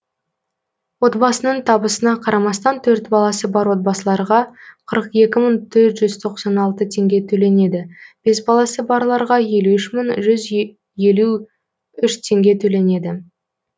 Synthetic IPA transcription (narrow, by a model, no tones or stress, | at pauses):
wo̞t̪bɑsənəɴt̪ʰɑbəsənɑqʰɑɾɑmɑst̪ɑnt̪ʰɵɾt̪bɑlˠɑsəbɑɾwo̞t̪̚bɑsəlˠɑɾʁɑqʰəɾəqje̞kʲɪməŋt̪ʰɵɾt̪ʒ̥ʏzt̪ʰo̞qsɑnɑlˠt̪ət̪ʰe̞ŋɡʲe̞t̪ʰɵle̞ne̞d̪ɪb̥e̞sbɑlˠɑsəbɑɾlˠɑɾʁɑje̞luʏʃməŋʒʏz | je̞lu | ʏʃt̪ʰe̞ŋɡʲe̞t̪ʰɵle̞ne̞d̪ɪ